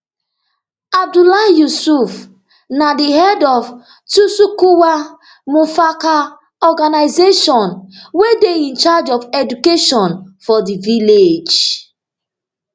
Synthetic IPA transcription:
ab̚dulajusuf | nadiɦɛdɔv | tusukuwa | mufaka | ɔɡanaɪzeʃɔ̃nwedeĩnt͡ʃad͡ʒɔfɛdukeʃɔ̃nfɔdiviled͡ʒ

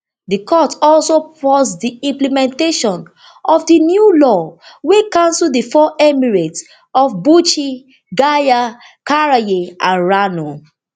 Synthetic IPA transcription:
dikʰɔtɔlsopɔsdiĩmplimɛ̃nteʃɔ̃n | ɔfdinjulɔwekãnsldifɔʔɛmiɹet | ɔfbut͡ʃi | ɡaja | kaɹajeãnɹano

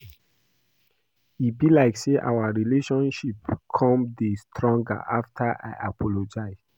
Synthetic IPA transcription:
ibilaɪkseʔa̰waɹileʃɔ̃nʃipkʰɔ̃mdestʰɹɔ̃ŋɡa̰ʔaftʰaʔa̰jʔapʰɔlod͡ʒaɪz

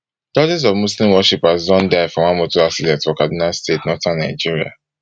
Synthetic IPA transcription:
d̥ɔd͡ʒɛz̬ɔvmuslĩmwɔʃipazɔ̃ndaɪfɔ̃mãmotoasilɛtfɔkadĩnastetnɔtãnaɪd͡ʒiɹia̰

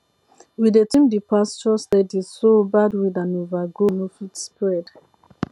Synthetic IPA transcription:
widetĩmdipast͡ʃɔstɛdizsobadwidãnovaɡonofitspɹɛd

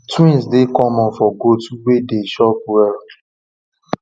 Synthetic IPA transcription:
twĩnsdekɔmɔ̃nfɔɡotuwedeʃɔp̚wɛl

